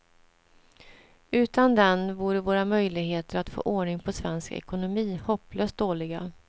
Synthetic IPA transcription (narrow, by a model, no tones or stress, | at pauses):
ʉ̟ːt̪and̪ɛnvuːɖəvoːɾamœjlɪɡɦeːt̪əɾat̪fo̰ːʔoːɳɪŋpʰɔsvɛnskaɛ̰kʊnʊmiːhɔpːløːst̪̚d̪oːlɪɡa̰